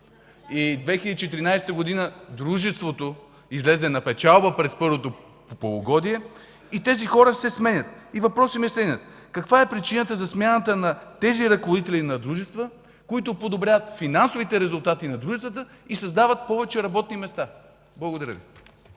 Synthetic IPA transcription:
id̪vɛxilʲd̪it͡ʃɛt̪iɾinajsɛt̪əɡod̪inəd̪ɾuʒɛst̪vot̪o | izlɛzɛnɐpɛt͡ʃalˠbəpɾɛspɤɾvot̪o | popolˠoɡɔd̪iɛ | it̪ɛzixɔɾəsɛsmɛnʲət̪ivɐpɾɔsimiɛsɛnʲət̪ | kɐkvaɛpɾit͡ʃinət̪əzɐsmʲjanət̪ənɐt̪ɛziɾɐkovod̪it̪ɛlinɐd̪ɾuʒɛst̪və | koit̪opod̪obɾʲjavət̪finansovit̪ɛɾɛzʊlˠt̪at̪inɐd̪ɾuʒɛst̪vət̪ə | isɐzd̪avət̪̚pɔvɛt͡ʃɛɾɐbɔt̪̚nimɛst̪a | blˠəɡod̪ɐɾəvḭ

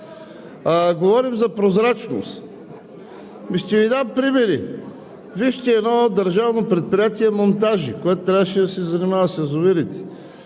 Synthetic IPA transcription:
ɡovɔɾimzɐpɾozɾat͡ʃno̰st̪ | miʃt̪ɛvid̪ampɾimɛɾi | viʃt̪ɛːd̪nɔd̪ɐɾʒavnopɾɛt̪̚pɾijat̪iɛmont̪aʒikoɛt̪ʊt̪ːɾʲavəʃɛd̪ɐsɛzɐnimavɐsɐzʊviɾit̪ɛ̥

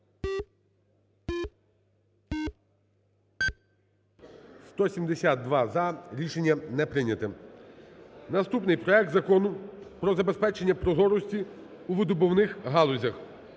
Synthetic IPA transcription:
st̪ɔsʲimd̪esʲad̪̚d̪ʋɑzɐɾʲiʃe̞nʲːɐnɛpɾɪnʲɐt̪ɛ | nɐst̪upnɪjpɾɔɛk̚t̪zɐkɔnʊpɾɔzɐbespɛt͡ʃe̞nʲːɐpɾɔzɔɾɔsʲtʲi | uʋɪd̪ʊbɔwnɪxɦɑlˠɔzʲɐx

